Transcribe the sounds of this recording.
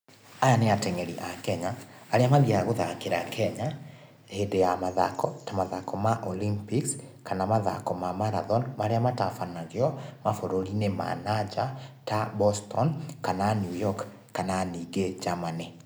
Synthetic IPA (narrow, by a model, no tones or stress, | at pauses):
ajaneatɛŋɛɾiʔakɛɲaː | ɾeamaðiaɣoðakeɾakʰɛɲa | hedejamaðakɔtamaðakɔmaʔolimpiks | kanamaða̰kɔmamaɾaðɔnmaɾeamatafanaɣeɔmafoɾoɾinema̰nad͡ʒatabɔstɔnkananjujɔkː | ananiɡed͡ʒamane